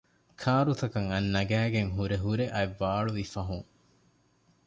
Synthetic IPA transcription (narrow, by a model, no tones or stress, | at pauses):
kʰaːɾut̪ɐkɐŋɐnːɐɡæːɡeŋɦuɾeɦuɾeʔɐjʋːaːɭuʋifɐɦuŋ